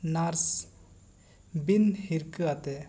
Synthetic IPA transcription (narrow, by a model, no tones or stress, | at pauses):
naɾs | binhiɾkɯat̪e